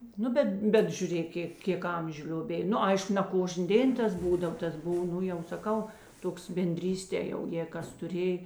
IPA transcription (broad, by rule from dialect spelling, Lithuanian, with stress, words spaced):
ˈnʊ bʲɛt ˈbʲɛt ʒʲʊˈrʲeːk ˈkʲeː ˈkʲeːk ˈɐmʲʒʲʊ lʲoːˈbʲeːj ˈnʊ ˈɐɪʃkʊ nʲɛ ˈkoːʒʲnʲeː ˈdʲeːn ˈtɐs ˈbuːdɐw ˈtɐs ˈbʊw ˈnʊ jɛʊ sɐˈkɐʊ ˈtoːks bʲɛnʲˈdʲrʲiːsʲtʲeː jɛʊ jeːɪ ˈkɐs tʊˈrʲeːj